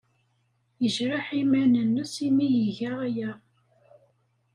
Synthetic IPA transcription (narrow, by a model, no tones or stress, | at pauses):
jəʒɾaħimænənːəsimijəʝæʁæjæ